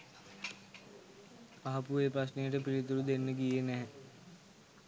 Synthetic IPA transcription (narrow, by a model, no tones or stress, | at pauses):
apueːpɾɐs̬nejəʈəpiɾit̪uɾud̪enːəɡijenɛɦɛ